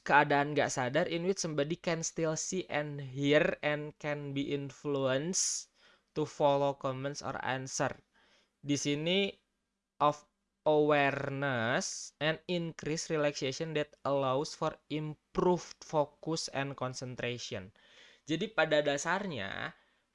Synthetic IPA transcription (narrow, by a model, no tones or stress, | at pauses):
kəadaːnɡa̰ʔsadarʔinwit͡ʃsəmbadikɛnst̪ilsiʔɛnɦirɛnkɛnbiʔinfluəns | t̪ufɔlokɔmɛnt̪sɔ̰ra̰nsər | disini | ʔɔf | əwɛrnəsɛninkɾisrilɛksesɔndɛt̪̚əlawsfɔrimpɾuft̪fokʊsɛ̰nkɔnsənt̪ɾesiɔ̰n | d͡ʒadipadadasarɲa̰